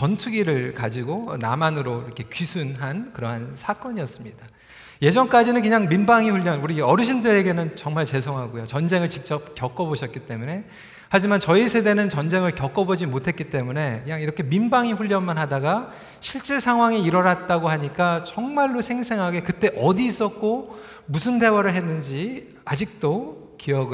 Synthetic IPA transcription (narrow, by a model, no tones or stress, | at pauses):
t͡ɕʌntʰuɡiɾɯɭkad͡ʑiɡona̰manɯɾoiɾʌkʰe̞kɥisʰunɦankɯɾʌɦansʰak͈ʌɲiʌs͈ɯmɲid̥a | je̞d͡ʑʌŋk͈ad͡ʑinɯnkɯɲaŋmimbaŋiɸuʎːʌnuɾiʌɾɯɕʰindɯɾe̞ɡe̞nɯnt͡ɕʌŋmaɭt͡ɕe̞sʰoŋɦaɡojot͡ɕʌnd͡ʑe̞ŋɯɭt͡ɕik̚t͡ɕ͈ʌp̚kjʌk͈ʌboɕʰʌt̚k͈it͈e̞mune̞ | had͡ʑimant͡ɕʌisʰe̞de̞nɯnt͡ɕʌnd͡ʑe̞ŋɯɭkjʌk͈ʌbod͡ʑimotʰe̞t̚k͈it͈e̞mune̞kɯɲaŋiɾʌkʰe̞mimbaŋiɸuʎːʌnmanɦadaɡa | ɕʰiɭt͡ɕ͈esʰaŋɦwaŋiiɾʌɾat̚t͈aɡoɦaɲik͈at͡ɕʌŋmaɭːosʰe̞ŋsʰe̞ŋɦaɡe̞kɯt͈e̞ʔʌdiːs͈ʌt̚k͈o | musʰɯnde̞waɾɯɭɦe̞nːɯnd͡ʑi | ad͡ʑik̚t͈o | kiʌɡɯ